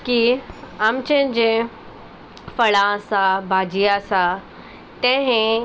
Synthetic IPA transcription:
kiamt͡ɕẽd͡ʑẽ | fəɭãsabʱaːd͡ʑijasa | t̪ɛ̃ɦẽ

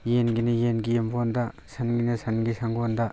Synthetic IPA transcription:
jenɡinɯjenɡijembɔnda | sʰanɡinɐsanɡisaŋɡonda

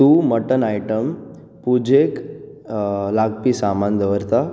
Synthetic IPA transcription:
tuməʈənajʈəm | pud͡ʑek | laɡ̚pisamand̪əʋəɾt̪a

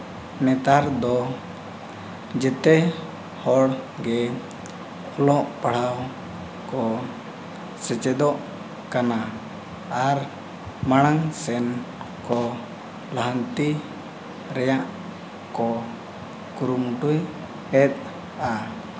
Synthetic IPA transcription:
nɛt̪aɾd̪ɔ | d͡ʒɛt̪ɛ | hɔɽɡɛ | ɔlɔʔpaɽ̤aw | kɔ | sɛt͡ʃɛd̪ɔʔ | kana | aɾ | maɽ̃aŋsɛnkɔ | laɦant̪i | ɾɛjaʔ | kɔ | kuɾumuʈuj | ɛt̪̚ | a

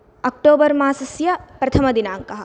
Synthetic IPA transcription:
ɐk̚ʈoːbɐɾmaːsɐsjɐpɾɐt̪ʰɐmɐd̪inaːŋkɐɦɐ̆

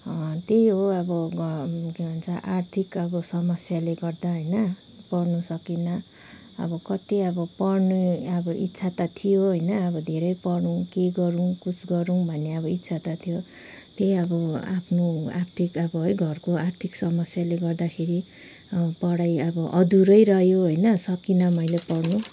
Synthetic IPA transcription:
t̪eɦoʌbʌ | kebʱanunt͡sʰʌʔart̪ʰikʌbʌsʌmʌsjaleɡʌrd̪aɦʌjnʌ | pʌrnusʌkinʌ̰ː | bʌkʌt̪iʌbʌpʌrnuʌbʌʔitːsʰat̪at̪ʰijoɦʌjnʌʌbʌd̪ʱeɾʌjpʌɽũkeɡʌɾukut͡sɡʌɾũbʱʌnːeʌbʌit̪ːsʰat̪at̪ʰijo | t̪eʌbʌa̰pʰnoa̰rt̪ʰikʌbʌɦʌjɡʱʌrkoart̪ʰiksʌmʌsjaleɡʌrd̪akʰeɾi | pʌɽajʌbʌʔʌd̪uɾʌjɾʌɦjoɦʌjnʌsʌkinʌmʌjlepʌrnu

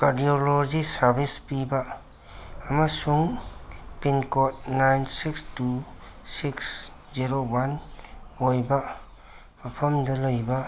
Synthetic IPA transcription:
kaɾdiolod͡ʒisaɾbʱispibaː | masuŋ | pinkot̚najnsikstusiksziɾowanojba | mɐpʰɐmdɐləjba

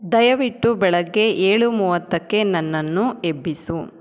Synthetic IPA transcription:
d̪ɐjɐʋiʈːubɛɭɐɡːe̞ʔeːɭumuːʋɐt̪ːɐkːe̞nɐnːɐnːue̞bːisu

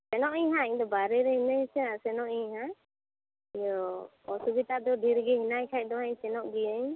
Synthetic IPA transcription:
sɛnɔʔiɲɦãiɲd̪ɔbaɾɛɾɛɦinəɲsɛasɛnɔʔiɲɦã | jɔ | ɔsubit̪ad̪ɔɖʱiɾɡɛɦinajkʰajʔ̚d̪ɔɦaɲsɛnɔʔɡiəɲ

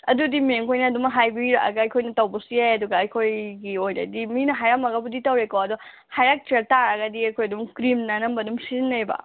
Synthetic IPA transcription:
ɐdudimeŋkʰojnɐːdumɦajbiɾɐ̰ɡɐːjkʰojnɐtɐwbɐsijajɐduɡɐːjkʰojɡiojnɐ̰diminɐɦajɾamɐɡɐbuditɐwɾekowɐdɔ | hajɾak̚teɾtaɾɐɡɐdiɐjkʰojɐdumkɾimnɐnɐmbɐdumsiznːɐjbɐ̰

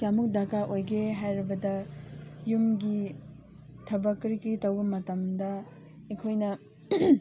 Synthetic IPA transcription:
kjamuk̚dakaʔojɡeɦajɾibɐdɐ | jumɡi | tʰɐbɐkːɾikɾitɐwbɐmɐtɐmdɐ | ekʰojnɐ

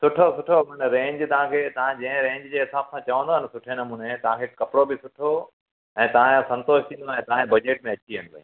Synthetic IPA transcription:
sʊʈʰosʊʈʰomɐnɾẽːɲd͡ʑt̪ɐʋ̤ãkʰeːt̪ɐʋãd͡ʑɐ̃ə̃ɾẽːɲd͡ʑd͡ʑeːɦɪsaːbsãt͡ɕɐʋə̃nd̪oːɦɪnsʊʈʰenɐmuːnet̪ɐʋ̤ãkʰekɐpɪɾobɪsʊʈʰo | ɛ̃ːt̪ɐʋ̤ãsɐ̃nt̪oːʃt̪ʰĩːnd̪oɛ̃ːt̪ɐɦãkẽbɐd͡ʑeːʈ̚mẽɐt͡ɕiɦɐ̃nd̪o̰

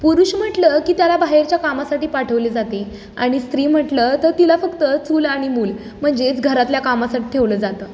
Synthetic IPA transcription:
puɾuɕm̤əʈləkiːt̪jalabaɦeɾt͡ɕjakamasaʈiːpaʈʰəʋled͡zat̪e | a̰ɽ̃ist̪ɾiːm̤əʈlət̪əɾt̪ilafəkt̪ət͡sʰuːlaɽ̃imuːl | m̤əɳd͡ʑet͡sɡʱəɾat̪ljakamasaʈiːt̪ʰeʋləːd͡zat̪əː

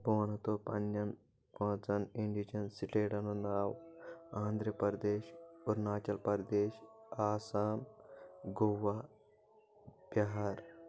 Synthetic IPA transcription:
boːnɐt̪oːpɐ̰nːɐn | kõːt͡sɐniɳɖid͡ʒɐnsiʈeːɽɐnonaːwãːnd̪ɾɐpɐɾd̪eːʃuɾnaːt͡ʃɐlpɐɾd̪eːʃaːsaːmɡowa | b̥jɐɦaɾ

